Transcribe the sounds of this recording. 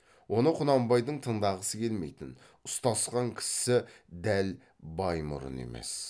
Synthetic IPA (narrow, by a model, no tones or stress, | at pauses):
wʔo̞nəqʰʊnɑmbɑjd̪əɴt̪ʰəɴd̪ɑʁəsəkʲʰe̞lme̞jt̪ɪn | ʊst̪ɑsqɑŋkʲʰɪ̥sɪd̪æl | bɑjmʊ̰ɾʊ̰nḛmḛs